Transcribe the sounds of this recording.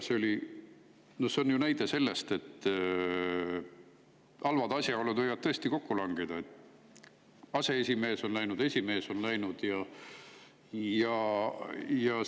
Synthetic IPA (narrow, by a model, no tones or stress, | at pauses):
se̞o̞li | nohse̞onjunæjd̪̥e̞se̞lːe̞st̪e̞t̪ː | ɑlvɑd̪ɑsʲjɑolːnud̪vɤjvɑd̪̚t̪ɤ̞est̪iko̞kːulɑŋɡ̥id̪̥ɑet̪ː | ɑse̞esʲime̞ːso̞nlæjnud̪e̞sʲime̞ːso̞nlæjnud̪̥jɑ | jɑ | jɑ